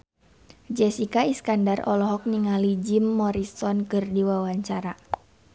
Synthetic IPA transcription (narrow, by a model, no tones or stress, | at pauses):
d͡ʒɛsikaiskandarɔlɔɦɔk̚niŋalid͡ʒimːɔɾisɔnkɨrdiwawaɲt͡ʃaɾa